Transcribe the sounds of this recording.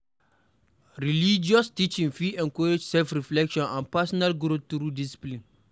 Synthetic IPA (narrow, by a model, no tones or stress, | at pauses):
ɾilid͡ʒiɔstit͡ʃĩnfiɛ̃ŋkʰɔɾed͡ʒsɛlfɾiflɛkʃɔ̃nãnpʰasɔnalɡɾotuɾudisi̥plĩn